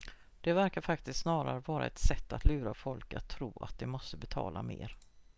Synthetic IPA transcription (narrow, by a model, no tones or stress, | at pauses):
d̪̥ɛvæɾkaɾfak̚t̪ɪst̪snɑːɾaɾəvɑːɾa̰ɛt̪sɛt̪ːat̪lʉ̟ːɾafɔlka̰t̪ʰːɾuːa̰t̪̚d̪ɛmɔst̪əbɛt̪ʰɑ̰ːlʔa̰mḛːɾ